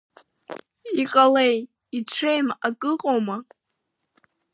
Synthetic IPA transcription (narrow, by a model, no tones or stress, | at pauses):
iqʼalej | iʈ͡ʂʷʰejmakʼɨqʼoma